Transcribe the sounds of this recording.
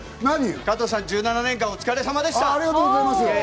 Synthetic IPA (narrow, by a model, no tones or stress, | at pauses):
naɲikat̪o̞sãɲ̟d͡ʑɨːnananẽ̞ŋkãot͡sɨ̥kaɾe̞samad̪eɕit̪aɾeɡat̪oɡozaimas